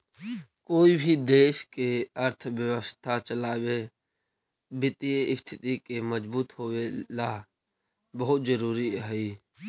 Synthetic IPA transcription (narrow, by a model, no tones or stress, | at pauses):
koːibʱid̪eːʃkeəɾt̪ʰʋjəwəst̪ʰat͡ʃəlaːwe | bɪt̪ieɪst̪ʰɪt̪ikeməd͡ʒbuːt̪ɦoːelaː | bəɦʊt̪zəɾuːɾiɦɛiː